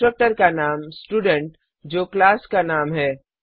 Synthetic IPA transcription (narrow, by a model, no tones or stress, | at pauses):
ɾək̚ʈəɾkanaːmsʈuːɖẽɳʈ | d͡ʒoːklaːskanaːmɦɛː